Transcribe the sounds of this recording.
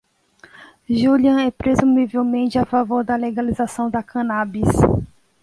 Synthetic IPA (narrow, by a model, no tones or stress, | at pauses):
ʒuliɐ̃ɛpɾezumivewmẽnt͡ʃɪafavoɾd̪ɐleɡalizasɐ̃w̃d̪ɐkʰɐ̃nabis